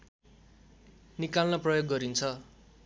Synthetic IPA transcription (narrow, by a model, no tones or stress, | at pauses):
nikalnaprʌjoɡːʌɾint͡sʰʌ